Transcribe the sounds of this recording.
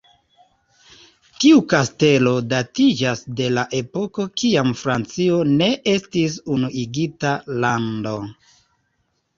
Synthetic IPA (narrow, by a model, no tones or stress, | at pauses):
tiukaste̞lo̞datid͡ʒasde̞laʔe̞po̞ko̞kiamfɾant͡sio̞ne̞ʔestisunuʔiɡitalando̞